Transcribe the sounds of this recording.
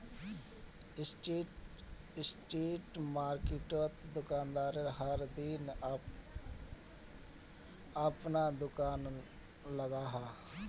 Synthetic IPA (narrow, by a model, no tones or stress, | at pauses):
sʈe | sʈeːʈmaːɾkɪʈot̪d̪ʊkaːnd̪aːɾəɾɦəɾd̪in | əpnad̪ʊkaːn | ləɡaːɦaː